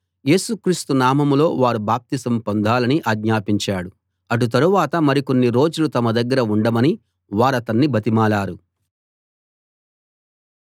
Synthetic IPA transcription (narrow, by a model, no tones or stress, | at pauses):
je̞ːsukɾiːst̪unaːmɐmlo̞̰ːʋaːɾubaːp̚t̪isɐmpo̞nd̪ʱaːlɐniʔaːɡɲaːpiɲt͡ʃaːɽu | ɐʈ̬ut̪̬ɐɾuʋaːt̪ɐmɐɾiko̞nːiɾoːd͡ʒulut̪ɐmɐd̪ɐɡːɐɾɐuɳɖɐmɐni | ʋaːɾɐt̪ɐnːibʱɐt̪imaːlaːɾu